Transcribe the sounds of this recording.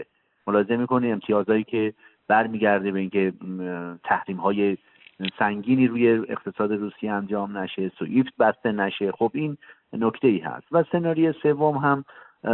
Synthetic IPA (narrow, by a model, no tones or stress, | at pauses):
e | molɒːezemiːko̞niemt̪ʰijɒːzɒːtiːcʲʰe̞ | b̥æɾmiːɡæɾd̪ebe̞iːncʰe̞ | t̪ʰæhɾiːmɦɒːje̞ | sæŋɟiːniːɾuːje̞eqt̪ʰe̞sɒːd̪e̞ɾuːsijeænd͡ʒɒːmnæʃe̞soʔift̪̚bæst̪e̞næʃe̞xobiːn | no̞kʰt̪ʰe̞iːhæ̰st̪væse̞nɒːɾije̞se̞vːomɦæm